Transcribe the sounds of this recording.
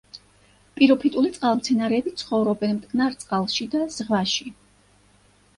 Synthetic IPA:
pʼiɾɔpʰit̪ʼulit̪sʼqʼalˠmt̪sʰɛnaɾɛːbit̪sʰχɔvɾɔbɛnmt̪ʼkʰʼnaɾt̪sʼqʼalˠʃid̪az̥ʁvaʃi

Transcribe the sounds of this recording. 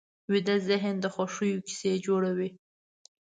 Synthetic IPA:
wid̪azɪɦnd̪əxaʂujoki̥sed͡ʒoɽawi

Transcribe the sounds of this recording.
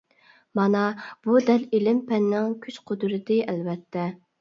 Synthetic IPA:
mɑnɑb̥ud̪ɛlelɪmpʰɛnːɪŋkʲʰyt͡ʃqʰod̪ɨɾɨd̪ɪɛlvɛt̪ʰːɛ

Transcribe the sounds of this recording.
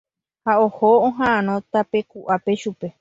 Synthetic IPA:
haohoõɦããnõt̪ape̞kuʔape̞ʃupe̞

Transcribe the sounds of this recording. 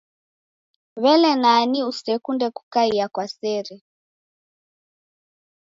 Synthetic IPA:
βɛlɛnaniusɛkundɛku̥kaiakwasɛɾɛ

